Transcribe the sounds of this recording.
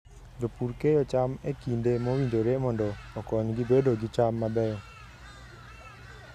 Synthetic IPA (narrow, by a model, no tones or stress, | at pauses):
d͡ʒopuɾkejɔt͡ʃamekindemowindoɾemɔndɔːkɔɲɡibedoɡɪt͡ʃamːabɛjɔ